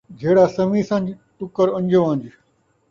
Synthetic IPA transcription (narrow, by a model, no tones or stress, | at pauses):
d͡ʒʱeːɽaːsəmĩːsãːnd͡ʒ | ʈʊkəɾə̃nʲd͡ʒʱoːãːnd͡ʒiː